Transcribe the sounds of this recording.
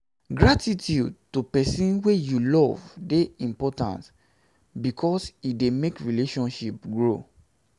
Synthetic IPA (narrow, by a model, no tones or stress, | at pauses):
ɡɹatitʰjud̚tupɛsĩnwejulɔvdeĩmpɔtã̰nt | bikʰɔsidemekɹileʃɔ̃nʃip̚ɡɹo